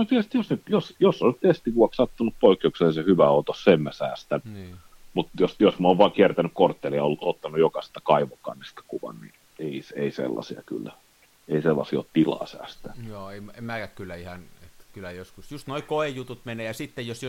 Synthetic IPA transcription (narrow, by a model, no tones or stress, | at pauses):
not̪iælst̪josnyt̪josjosːonnyt̪est̪ikuɑkssɑt̪ːunuppoikːeukseɑsehyʋæot̪ossemːæsæːst̪ænː | mut̪josjosmoːʋʋɑːˑkiært̪ænykkort̪ːeːliɑolːut̪ot̪ːɑnujokɑsi̥t̪ːɑ̥kɑiʋokːˑɑ̰nːist̪ɑ̥kuʋɑ̰nnḭ | eiseisḛlːɑ̰siɑ̰ky̰lːæ | eiselːɑ̰sio̰t̪t̪ilɑ̰ːsæ̰ːst̪ænoːeimemækækkylːæihɑnet̪ːæ̥kylːæjoskusjust̪noikoejut̪ut̪meneːjɑsit̪ːejjosj